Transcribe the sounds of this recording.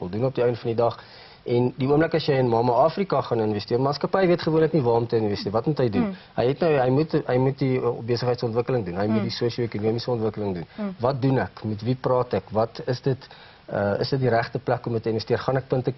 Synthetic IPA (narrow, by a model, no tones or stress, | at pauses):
əlˠdunɔp̚diəjəndəfɐndidɐχ | ʔɛndiuəmləkɐsjəjənmɑːmɐɑːfrikɐχɐnənvɛstiərmɑːnskɐpɛjviətχəvuənlɛknivɑːɔmtəənvɛstiərvɐtmutɦəjdunɦəjɦɛtnəwɦɛjmutɦəjmut̚dibeəsəχɦəjtsɔntvəkələŋdunɦɐjmutdisuəʃioekunuəmisəɔntvəkələŋdunvɐt̚dunækmɛtviprɑːtækvɐtəsdət | əə̰sdət̚diɾæχtəplækɔmətəənvəstiərχɐnæk̚pəntə